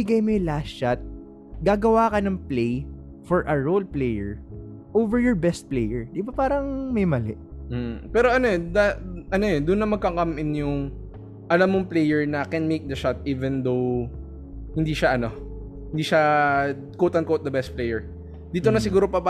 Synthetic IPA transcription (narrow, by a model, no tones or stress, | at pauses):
ɪɡɐjmojʊlast͡ʃat̪̚ | ɡaːɡɐwaːkɐnɐŋplej | fɔɹʔɐɹolplejɛɹ | ʔoːvɛɹjɔɹbɛst̪̚plejɛɹd̪ɪbapaːɾɐŋmɐjmɐlɛ̰ʔm̩ːpɛːɾoʔɐnoɛd̪ɐʔɐnoɛd̪ʊnːɐmɐɡ̚kɐkamʔɪnjʊŋ | ʔɐlamːoŋplejɛɹnɐkɛnmejk̚d̪ɐʃat̪̚ʔiːvɛnd̪ow | hɪnd̪iːʃaʔɐno̞ | hɪnd̪iːʃa | koːt̪ɐnkowt̪̚d̪ɐbɛst̪̚plejɛɹ | d̪iːt̪onɐsɪɡuːɾopɐpa